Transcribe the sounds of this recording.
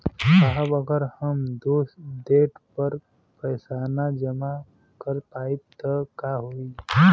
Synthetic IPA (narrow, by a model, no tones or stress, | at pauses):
kaɦəbəɡəɾhəmd̪oːsd̪eːʈpəɾ | pəːsaːnad͡ʒəma | kəɾp̪aːip̚t̪əkaːɦoːi